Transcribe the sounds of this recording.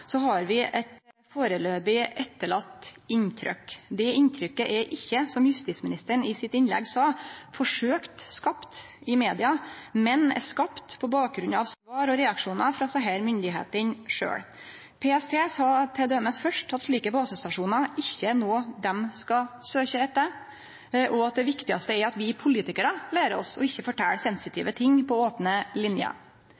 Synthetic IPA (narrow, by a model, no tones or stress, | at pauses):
sɔɦɑɾʋɪʔɛt̪ | foːɾəløːbɪʔɛt̪ːəɭɑt̪ːɪnt̪ʰɾœ̰kd̪ɛɪnt̪ʰɾʏkːəʔɛɾʔɪçːəsɔmjʉst̪iːsmɪnɪst̪əɳɪsɪt̪ɪnlɛ̰ɡsɑːfɔʂøːkt̪skɑpt̪ɪmeːd̪ɪɑmɛnɛ̰skɑpt̪pʰɔbɑːk̚ɡɾʉnɑʋsʋɑːɾɔɾɛɑkʂuːnəfɾɑsɑɦæːɾmʏnd̪ɪɦḛːt̪ənʂø̰ːɽ | pʰeɛst̪ʰeːsɑːt̪ʰɛd̪øɛməsfœʂʈʰɑt̪ʂɭiːkəbɑːsəst̪ɑʂuːnɑɾɪçːənoːd̪ɛmskɑsøːçəɛt̪ːə | ʔɔɑt̪̚d̪ɛʋɪkt̪ɪɑst̪əæɾɑt̪ʋɪpʰʊliːt̪ɪkəɾəlæːɾɔ̰sɔ̰ɪçːəfɔʈʰæ̰ːɽsɛnsɪt̪ʰḭːʋət̪ʰɪŋːpʰɔoːpnəlɪnjɑ̰